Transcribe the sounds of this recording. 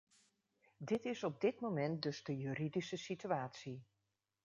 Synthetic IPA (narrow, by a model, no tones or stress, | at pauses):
dɪtɪsɔb̚dɪtmomɛnt̚dɵzdəjyridisəsityaːtsi